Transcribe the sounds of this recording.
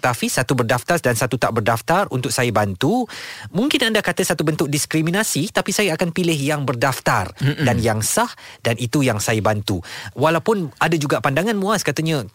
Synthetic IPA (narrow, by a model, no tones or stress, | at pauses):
t̪afisat̪ubərdaft̪asdansat̪ut̪aʔbərdaft̪arunt̪ʊk̚sajabant̪umũŋkɪnandakat̪əsat̪ubənt̪ʊk̚diskɾimĩnasit̪apisajaakanpilɪɦjaŋbərdaft̪ardanjaŋsahdanʔit̪ujaŋsajabant̪uwalawpʊnadad͡ʒuɡaʔpandaŋãnmũaskat̪əɲa